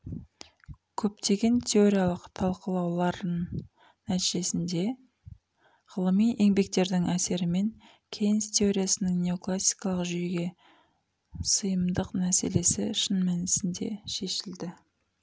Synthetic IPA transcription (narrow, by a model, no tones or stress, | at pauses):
kʲʰɵpt̪e̞ɡʲe̞nt̪ʲʰe̞o̞ɾijalˠəqt̪ʰɑlˠqəlˠɑwlˠɑɾən | næt̪iʒe̞sɪnd̪e̞ | ʁəlˠəmijʔe̞ŋbe̞k̚t̪e̞ɾd̪ɪŋæse̞ɾɪme̞ŋ | kʲʰe̞jnɪst̪ʰʲe̞o̞ɾʲijasənəŋnʲe̞o̞klˠasʲːi̥jkɑlˠəqʒyjeɡʲe̞ | səjəmd̪əqnæse̞̰le̞sɪʃənmænɪsɪnd̪e̞̰ʃe̞ʃɪld̪ɪ